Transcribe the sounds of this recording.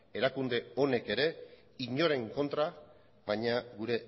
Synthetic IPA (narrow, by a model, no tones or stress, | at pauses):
e̞ɾakund̪e̞o̞ne̞ke̞ɾe̞ | iɲo̞ɾe̞ŋko̞nt̪ɾa | βajɲaɡuɾe̞